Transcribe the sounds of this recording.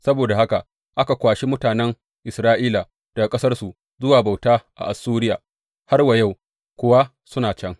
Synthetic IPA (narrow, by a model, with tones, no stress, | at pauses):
sɐ˦boː˨da˨ha˦ka˨ | ʔa˦ka˨kʷaː˨ʃi˦mʊ˦taː˨nɛ˦ŋ | ʔɪ˨sɾaː˦ʔiː˦la˨ | d̥a˨ɡkʼɐ˦sɐ˦rsu˨ | zʊ˦waː˨ba˨wtaː˦ʔa̰˨ʔa˨suː˦ɾɪ˦jaː˨ | ha˦rwa˨ja˦˨w | kʷʊ˦wa˦ | sʊ˦naː˨t͡ʃɐ˦ŋ